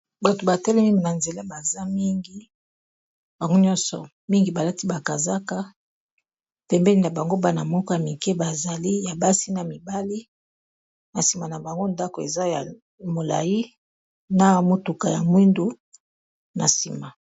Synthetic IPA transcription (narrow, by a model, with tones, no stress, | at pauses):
ba˨to˨ba˨tɛ˦lɛ˦mi˦ŋɡi˨na˨nze˨la˦ba˨za˦mi˦ŋɡi˦ | ba˨ŋɡo˦ɲɔ̃˦nsɔ̰˨ | mi˦ŋɡi˨ba˨la˦ti˦ba˨ka˨za˦ka˦ | pɛ˨mbɛ˦li˦na˨ba˨ŋɡo˦ba˦na˨mɔ˦kɔ˦ja˨mi˨kɛ˦ba˨za˨li˦ja˨ba˦si˦na˨mi˨ba˦li˦ | na˨si˨ma˨na˨ba˨ŋɡo˦nda˦ko˨ḛ˨za˦ja̰˨ | mo˨la̰˨ji˦ | na˨mo˨tu˨ka˨ja˨mwi˦ndu˦ | na̰˨sḭ˨ma˨